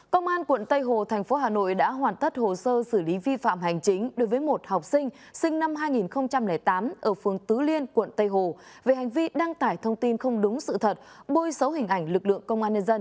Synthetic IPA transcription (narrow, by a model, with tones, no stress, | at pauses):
kə˧wŋ͡mʔaː˧nkwə̰˧˨nt̪ə˧jɦo˨˩t̪ʰɛ˨˩jŋ̟fo˨˦ɦaː˨˩no̰˧˨jɗa̰ː˧˥ɦwaː˨˩nt̪ə˦˥t̚ho˨˩səː˧sɨ˧˩li˨˦vi˧fa̰ː˧˨mɦa˨˩jŋ̟t͡ɕï˨˦ŋ̟ɗo˨˦jvəː˨˦jmo˨˩t̚ha˨˩wk͡p̚sï˧ŋ̟ | sï˧ŋ̟na˧mɦaː˧jŋi˨˩nxə˧wŋ͡mt͡ɕa˧mlɛ˨˩jt̪aː˨˦mʔəː˧˩fɨ˨˩əŋt̪ɨ˨˦li˧ənkwə̰˧˨nt̪ə˧jɦo˨˩ | ve˨˩ha˨˩jŋ̟vi˧ɗa˧ŋt̪aː˧˩jt̪ʰə˧wŋ͡mt̪i˧nxə˧wŋ͡mɗʊ˨˦ŋ͡msɨ̰˧˨t̪ʰə˨˩t̚ɓo˧jsə˨˦wɦï˨˩ŋ̟ʔa˧˩jŋ̟lɨ˨˩k̚lɨ̰˧˨əŋkə˧wŋ͡mʔaː˧nɲə˧nzə˧n